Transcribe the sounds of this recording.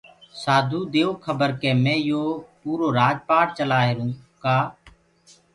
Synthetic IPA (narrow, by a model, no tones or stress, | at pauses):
saːd̪ʱuːd̪eːoːkʰəbəɾkeːmɛ̃ːjoːpuːɾoːɾaːd͡ʒpaːɽt͡ʃəlaːɦeːɾũːkaː